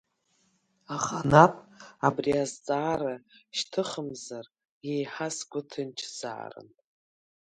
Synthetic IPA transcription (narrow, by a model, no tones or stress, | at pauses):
aχanapʼabriazt͡sʼaːɾaʃtʰɨχəmzar | jejħasɡʷʊtʰɨnt͡ʃʰz̥a̰ːrɨ̰n